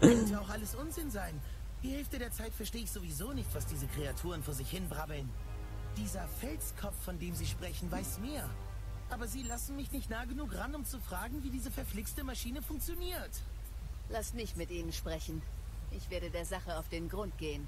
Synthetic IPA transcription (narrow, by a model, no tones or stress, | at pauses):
ɛtəaʊxʔaləsʔʊnzɪnzaɪn | d̥iːhɛlftədeːɐt͡saɪtfɛɐʃteːəɪçz̥ovizoːnɪçtv̥asd̥iːzəkʁ̥eatʰuːʁ̞ənfoːɐzɪçhɪnbʁabl̩n | d̥iːzɐfɛlskʰɔp͡fːɔndeːmziːʃpʁ̥ɛçn̩vaɪsmeːɐ | ʔaːbɐziːlasn̩mɪçnɪçtnaːɡənuːkʁanʊmt͡sufʁ̥aːɡŋ̩viːdiːzəfɛɐflɪkstəmaʃiːnəfʊŋk̚t͡sjoniːɐt | lasmɪçtmɪtʔiːnənʃpʁ̥ɛçn̩ʔɪçv̥eːɐɾədeːɐzaχəaʊfd̥eːnɡʁʊnt̚ɡ̥eːən